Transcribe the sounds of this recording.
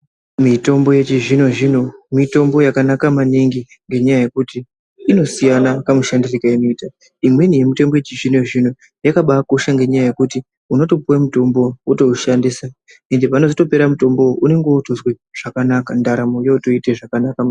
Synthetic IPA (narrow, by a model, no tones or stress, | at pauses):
mito̞mbo̞je̞t͡ʃiʐino̞ʐino̞mito̞mbo̞jakanakamaniŋɡi | ŋɡe̞ɲajaje̞kutiː | no̞sijanakamuʃandirikaenoita | imwe̞nije̞mite̞mbo̞jet͡ʃiʐinoʐino̞ | jakaɓako̞ʃaŋɡe̞ɲajaje̞kuti | uno̞to̞puwamuto̞mbo̞uto̞uʃandisa | e̞nde̞pano̞zoto̞pe̞ɾamuto̞mbo̞ʔune̞ŋɡeutozwe | ʐ̥akanakandaɾamojeuto̞iteʐakanaka